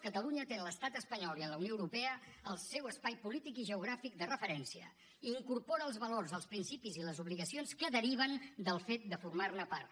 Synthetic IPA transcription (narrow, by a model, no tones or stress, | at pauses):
kət̪əluɲət̪eləst̪at̪əspəɲɔlˠiənləwnijoəwɾupɛəəlˠsɛwəspajpulit̪ikiʒəuɣɾafik̚d̪ərəfəɾɛnsiə̰ː | ŋkuɾpoɾəːlˠzβəlorzəlˠspɾinsipiziləzuβliɣəsionskəðəɾiβ̞ənd̪əlˠfet̪̚d̪əfurmarnəpaɾt̪